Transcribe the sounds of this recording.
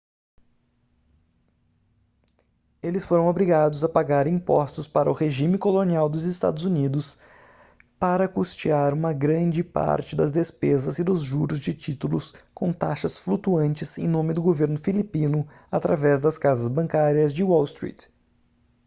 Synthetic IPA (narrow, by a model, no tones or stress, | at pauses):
elɪsfoɾɐ̃w̃obɾiɡad̪ʊzɐpaɡaɾĩpɔst̪ʊspaɾɐʊheʒĩmɪkoloniawd̪ʊzɪst̪a̰d̪ʊzunid̪ʊs | paɾɐkust͡ʃiaɾũmɐɡɾɐ̃d͡ʒɪpa̰ɾt͡ʃɪd̪ɐzd̪espezɐzɪd̪ʊzʒuɾʊzd͡ʒɪt͡ʃit̪ulʊskõw̃t̪a̰ʃɐsflut̪uɐ̃nt͡ʃɪzẽnõmɪd̪ʊɡoveɾnʊfilipĩnʊ | at̪ɾavɛzd̪ɐskazɐzbɐ̃ŋkaɾiɐzd͡ʒɪwɔwst̪ɾḭt̪